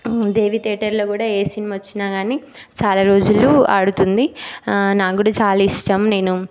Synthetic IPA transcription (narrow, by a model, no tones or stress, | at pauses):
d̪e̞ːʋit̪eːʈɐɾlo̞ːkuːɽaːeːsinimaʋɐt͡ʃːinaːɡaːni | t͡ʃaːlaːɾo̞ːd͡ʒuluɐɽut̪und̪inaːkkuːɽaːt͡ʃaːlaiʂʈɐmne̞ːnu